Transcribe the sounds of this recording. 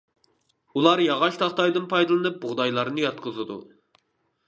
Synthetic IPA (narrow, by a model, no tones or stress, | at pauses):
ulˠɑɾjɑʁɑʃt̪ʰɑχt̪ɑjd̪ɨnpʰɑjd̪ɨlˠɨnɨp̚bʊʁd̪ɑjlˠɑɾnɨjɑt̪̚qʰəzɨd̪ṵ